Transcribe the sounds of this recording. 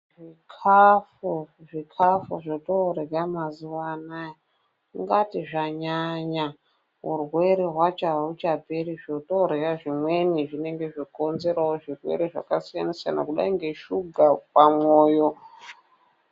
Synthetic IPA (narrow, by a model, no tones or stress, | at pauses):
ʐikʰafuʐikʰafuʐotoɾeramazuwana | ŋɡatiʐaɲaɲa | ɦurwe̞ɾeɦwat͡ʃaut͡ʃaperiʐotoɾekaʐimwe̞niʐine̞ŋɡe̞ʐiko̞nze̞ɾawoʐirwḛɾeʐa̰kasijanisa̰na̰kuɗa̰iŋɡe̞ʃuɡʱapamoːjo